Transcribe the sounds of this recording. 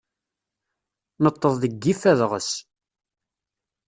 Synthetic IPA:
nət̪ˤːəðˤðəɡːifæðʁə̰s

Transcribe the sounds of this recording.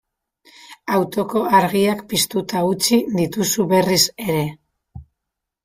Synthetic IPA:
awt̪o̞ko̞aɾɣiakpist̪ut̪aut͡siðit̪usuβe̞rise̞ɾe̞

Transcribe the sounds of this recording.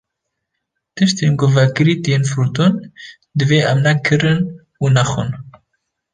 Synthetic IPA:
t̪ɨʃt̪enɡovɛkɨɾiːt̪jenfɾut̪on | d̪ɨveːʔɛmnɛkʰɨɾɨn | uːnɛxṵn

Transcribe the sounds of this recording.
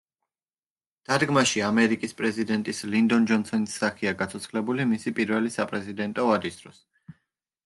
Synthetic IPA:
d̪̥ad̪ɡmaʃiamɛɾikʼispʼɾɛzid̪ɛnt̪ʼislind̪ɔnd͡ʒɔnsɔnisːaχiaɡat̪sʰɔt̪sʰχlɛbulimisipʼiɾvɛlisapʼɾɛzid̪ɛnt̪ʼɔvad̪isd̪ɾɔs

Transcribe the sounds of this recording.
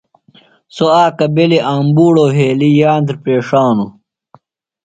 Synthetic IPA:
soaːkɐbeliʔaːmbuːɽoːɦeːlijaːnt̪ɾpeːʂaːnu

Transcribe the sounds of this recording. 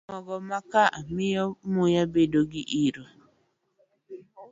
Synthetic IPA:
mɔɡɔmakaʔamɪjɔmujabedoɡiʔiɾo

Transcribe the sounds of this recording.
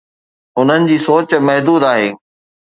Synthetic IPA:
ʊn̤ənɪ̆d͡ʑiːsoːt͡ɕmɐɦd̪uːd̪aːɦeː

